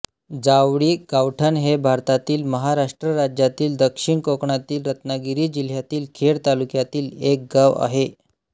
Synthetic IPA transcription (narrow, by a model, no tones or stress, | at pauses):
d͡zaʋɽiːɡawʈʰənɦebʱaɾt̪at̪iːlməɦaɾaʂʈɾəɾad͡ʑjat̪iːld̪əkʂiɳkokɳat̪iːlɾət̪naɡiɾiːd͡ʑil̤jat̪iːlkʰeɽt̪alukjat̪iːlek̚ɡaʋa̰ɦe